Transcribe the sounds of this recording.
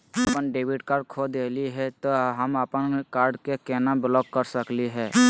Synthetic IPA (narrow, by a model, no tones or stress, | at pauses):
əpənɖeːbiʈkaːɾɖkʰod̪eliɦɛt̪oɦəməpənkaːɾɖkekɛnabɪlɔk̚kəɾsəkliɦɛ